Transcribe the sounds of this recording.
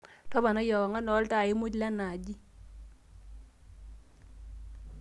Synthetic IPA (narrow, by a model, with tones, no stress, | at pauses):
tɔ˦ba˨nɔ˦jɔ˨wɔ˨ŋa˦nɔ˨˦lta˦˨ɪ˦mu˦d͡ʒla˦na˨d͡ʒi˦